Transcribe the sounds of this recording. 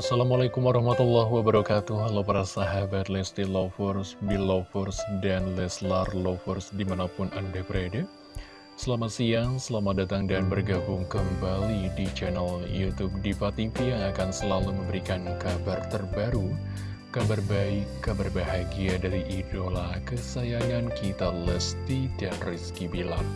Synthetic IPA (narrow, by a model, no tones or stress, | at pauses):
ʔasːalamalajkʊmwaɾɑhmat̪ulːaɦwabəɾakat̪uɦalapaɾasaɦabat̪lɛst̪ilofɔrsbilofɔrsdanlɛslarlofɔrsdimanapʊnandəpɾedə | səlamasiaŋsəlamadat̪aŋdanbərɡabʊŋkəmbalidit͡ʃɛnaljut̪up̚dipat̪ifijaŋakansəlaluməmbəɾikankabart̪ərbaɾu | kabarbaɪkːabarbaɦaɡiadaɾiʔidolakəsajaŋankit̪alɛst̪idanriskibila